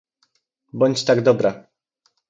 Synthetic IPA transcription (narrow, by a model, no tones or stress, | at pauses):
bɔɲt͡ɕt̪aɡd̪ɔbɾa